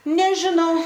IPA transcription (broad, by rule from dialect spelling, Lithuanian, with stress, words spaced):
nʲɛʒʲɪˈnɐʊ